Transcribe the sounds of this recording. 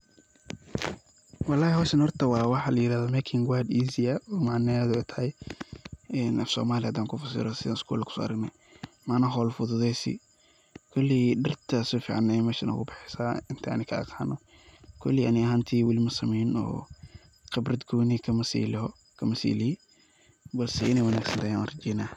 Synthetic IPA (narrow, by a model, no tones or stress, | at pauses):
wɑlːaːhɛhɔːʃɐnhɔrt̪ʰɐwɑːwɑħɑlɐjɪɾaːðɔmɛkʰɪŋwad̪iːzɪɐɔmaʕnɛðɛt̪ʰɐhɛj | ɛnʔɐfsɔ̰ːmaːlɪad̪aːŋkʰʊfɐsɪ̰ɾɔsɪðaːnɪskʰṵːlkʰʊ̥sɔ̰ːɐ̰ɾɐɡnɛj | mɐnɐɦɔːlfʊðʊðɛjsḭ | kʰʊlːɪdɐrt̪ʰɐsɔfḭʕnɛmɛʃɪ̰nʔɐ̰kʊbɪħɛsaɪnt̪ʰanɪkʰɐ̰qʰaːnɔ | kʰɔlːɪʔɐ̰nɪɐɦaːnt̪ʰiːwɪlimɐsɐmɛnɔ̰ː | qɪbrɐd̪ɡuːnikʰɐmɐsḭl | kʰɐmɐsḭːlɪ | bɐlsɛɪnɛjwɐnaːɡsɐnt̪ʰaːjaa̰nrɐd͡ʒɛjnaː